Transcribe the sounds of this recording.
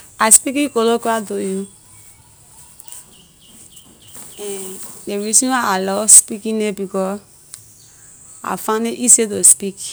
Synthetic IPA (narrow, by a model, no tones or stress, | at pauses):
aɪspikĩkolokatoju | ɛ̃ndeɹizɔ̃nwaɪalɔspikĩndebikɔ | a̰fãneʔiset̬ospik